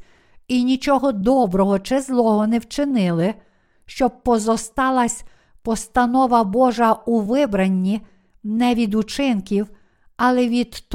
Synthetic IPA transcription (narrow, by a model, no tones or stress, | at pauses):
inʲit͡ʃɔɦɔd̪ɔbɾɔɦɔt͡ʃɪzlˠɔɦɔnɛwt͡ʃɪnɪlˠɪ | ʃt͡ʃɔb̚pɔzɔst̪ɑlˠɐsʲ | pɔst̪ɐnɔʋɐbɔʒɐuʋɪbɾɐnʲːi | nɛʋʲid̪ut͡ʃɪnkʲiw | ɐlˠɛʋʲid̪